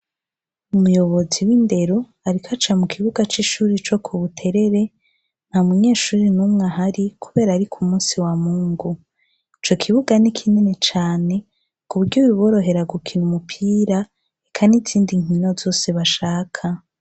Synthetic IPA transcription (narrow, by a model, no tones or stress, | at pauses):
umujo̞βo̞ziwinde̞ɾo | aɾikʰat͡ʃamukʰiβuɡat͡ʃiʃuːɾit͡ʃo̞kʰuβutʰe̞ɾe̞ɾe̞ | n̥hamuɲeːʃuːɾinumŋaɦaɾikʰuβe̞ːɾaːɾikʰumuːsiwamuːŋɡu | it͡ʃo̞kʰiβuɡanikʰinene̞t͡ʃaːne̞ | kuβuɾɟoβiβoɾo̞ɦe̞ɾaɡukʰinumupʰiɾa | ekʰaniziːndiŋ̥ino̞zo̞ːse̞βaʃaːkʰa